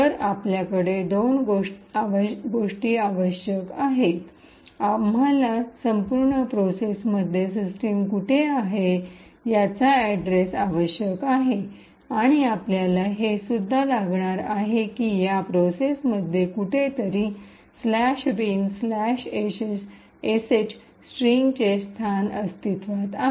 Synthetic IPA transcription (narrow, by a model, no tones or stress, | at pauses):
əɾapljakəɽed̪onɡoaʋəɡoʂʈiːaʋəɕjəkaɦet̪ | amalasəmpuɾɳəpɾosesməd̪ʱːjesisʈemkuʈʰeaɦe | jat͡saæɖɾesaʋəɕjəkaɦe | aɽ̃iapljalaɦesud̪ʱːalaɡɳaɾaɦekiːjapɾosesməd̪ʱːjekuʈʰet̪əɾiː | slæɕɾimslæɕeɕes | eset͡ɕ | sʈɾiŋɡt͡ɕest̪ʰanəst̪ʰit̪ʋat̪a